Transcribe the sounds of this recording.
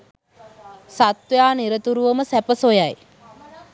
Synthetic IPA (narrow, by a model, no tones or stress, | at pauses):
sat̪ʋjaːniɾət̪uɾuʋəməsæpəsojaj